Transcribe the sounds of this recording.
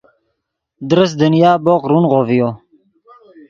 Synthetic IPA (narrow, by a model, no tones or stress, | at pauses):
d̪ɾəs̬d̪ənjaːboqɾunʁovijo